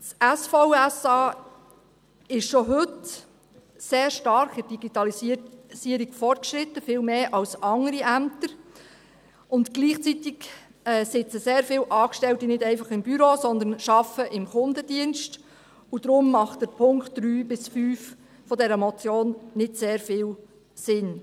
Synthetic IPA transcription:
sæsfoʊɛsɑː | ɪʃʃɔɦɵt | seːɾʃtɑɾkɪd̥iɡ̥it̪ɑlisiəɾiɡ̥fɔrt̚kʃɾɪt̪ːəfɪːlmeːʔɑlsɑŋəɾiʔæmt̪əɾ | ʊntɡ̥liːχt͡sit̪ɪk | ɛːsɪt͡səseːɾfɪːlʔɑːkʃtɛltinɪdɛɪfɑχɪmbyɾoːsɔnd̪ənʃɑfəʔɪmχʊndədiənst | ud̥̪ɾʊmːɑχtdəɾpʰʊŋkt̚d̥ɾyːbɪsfyːf | fɔdɛɾəmɔt͡sjoːnnɪtseːɾfɪːl | sɪn

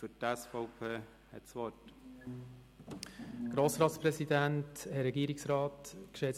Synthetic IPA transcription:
fytɛsfɔʊpʰeː | hɛ̰tsʋɔt | ɡ̥ɾoːsɾɑːtspɾɛsidænthɛɾɛɡiːɾɪksɾɑːtkʃɛt͡s

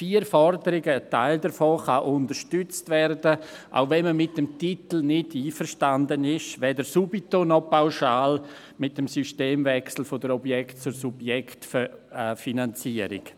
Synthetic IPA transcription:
fiːəɾfɔɾdəɾɪɡəːtaɪldəɾfɔːχaʔʊndəɾʃtʏt͡stvɛɾdəʔa̰ʊvɛnməmɪt̚d̥əmtitl̩nɪdiːfəɾʃtandənɪʃvɛːdəɾsubitonɔpaʊʃaːl | mɪt̚d̥ɛmsyʃteːmvɛksl̩fodəɾɔbjɛktt͡suɾsubjɛktffinant͡siəɾɪ̰k

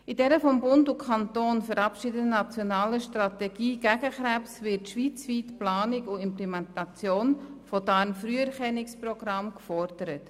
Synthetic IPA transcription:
ɪdɛɾəfɔmbʊndʊkʰɑntoːnfəɾɑpʃɪdənɑt͡sjonɑːləʃtrɑtɛɡ̥iːɡ̥æɡ̥əχɾæpsvɪɾtʃʋiːt͡sviːtplɑːnɪkʊɪmplɛmɛntɑt͡sjoːnfɔdɑɾnfryːɛɾχɛnɪksprɔɡ̥rɑmkfɔɾd̥əɾət

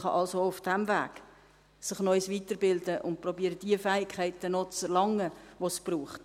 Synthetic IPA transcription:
χɑ̰ʔɑlsoʊfd̥ɛmvæ̰ːɡ | sɪχnɔʏsʋiːtəɾbɪldəʔʊnt̚prɔbiːəɾəd̥iəfɛːɪkʰχɛɪtənɔt͡sɛɾlɑŋːəʋosb̥ruːχt

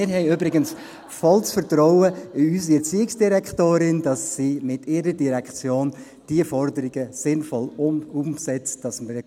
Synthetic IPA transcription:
ɪɾɦɛɪybɾɪɡəns | fɔlsfəɾtɾɔʊəɪysiɛt͡siːɪksd̥iɾɛktoːɾɪnd̥ɑsːiːmɪtɪːɾədiɾɛkχt͡sjoːn | d̥iəfɔrdəɾɪɡəsɪnfɔlumsɛt͡std̥ɑsmə

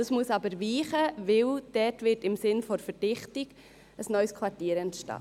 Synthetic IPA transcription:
ɑsmuəsɑbəɾʋiːχəʋɪld̥ɛtʋɪtɪmsɪnfɔɾfəd̥ɪχtɪɡ̥ | əsnœʏskʰʋɑɾtiːɾɛntʃtɑ̰ː

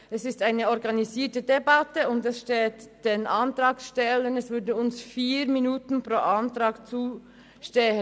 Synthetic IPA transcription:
ɛsɪstaɪnəɔɾɡɑniziːtədebɑtəʊndɛsʃteːtd̥enʔɑntɾɑːksʃtɛlənɛsvʏɐdəʊnsfiːɾminuːtn̩pʁoːʔɑntɾɑːɡt͡suː | ʃtɛhə

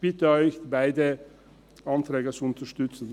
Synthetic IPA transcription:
b̥ɪtəɔʏçbaɪdə | ʔɑntɾɛːɡət͡suʊntɐʃtʏt͡sn̩

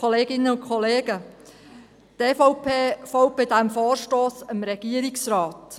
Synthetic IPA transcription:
ɔleːɡɪnːəʊnkχɔleːɡə | t̪eːfɔʊpʰeːfoʊpedæmfɔːɾʃtoːsəmɾɛɡ̥iəɾɪksɾɑːt

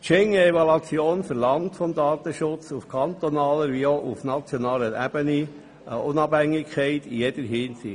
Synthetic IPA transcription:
t͡ʃɛŋəɛʋɑlɑt͡sjoːnfəɾlɑŋtfɔmd̪ɑːt̪əʃʊt͡sufkʰɑnt̪ɔnɑːləɾʋioʔufnɑt͡sjɔnɑːləæ̰b̥əni | ʊnɑbhæŋːɪkʰχɛɪtijɛd̪̥əɾɦɪnsi

